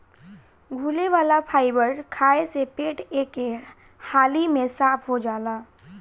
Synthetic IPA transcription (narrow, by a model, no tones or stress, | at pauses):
ɡʱuːleʋaːlapʰaːɪbəɾkʰaːesepeːʈeːke | haːlimẽsaːpʰɦod͡ʒaːlaː